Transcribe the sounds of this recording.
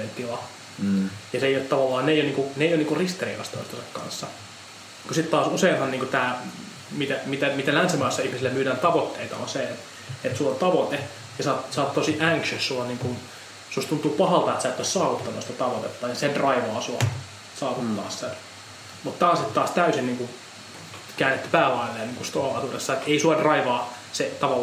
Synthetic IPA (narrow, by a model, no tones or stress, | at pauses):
ent̪ilɑ | jɑseˑijot̪t̪ɑʋɑlːɑːnneijoniːŋkuneˑijoniːŋkurist̪erḭkɑ̰st̪o̰ist̪ɑsɑkkɑ̰nsːɑ | kusit̪t̪ɑːsuseːnhɑnniːŋkut̪æː | mit̪æmit̪æmit̪ælænsimɑːˑsːɑihmisilːemmyːdæːnt̪ɑʋot̪ːeit̪ɑ̰onse | et̪sulːont̪ɑʋot̪e | jɑsɑːt̪sɑːt̪t̪osiʔæŋkʃøssuɑniːŋkun | sust̪unt̪ˑuːpɑhɑlt̪ɑet̪sæːt̪ːossɑːʋut̪ːɑnost̪ɑt̪ɑʋot̪et̪ːɑːjɑsendrɑiʋɑːsuɑ̰ | sɑːʋut̪ːɑ̰ːssen | mut̪t̪æːsit̪t̪ɑːst̪æysinniːŋkun | kæːnːet̪ːy̥pæːlɑilːeːnniːŋkust̪oɑɑt̪uresːɑet̪eisuɑdrɑiʋɑː | set̪ɑʋɑl